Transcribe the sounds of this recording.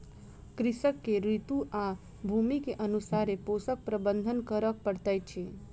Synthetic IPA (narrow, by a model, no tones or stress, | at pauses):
kɾɪsəkːeɾit̪uʔa | bʱumikeʔənusaɾeposək̚pɾəbənd̪ʱənkəɾək̚pəɽt̪ajt͡ʃʰe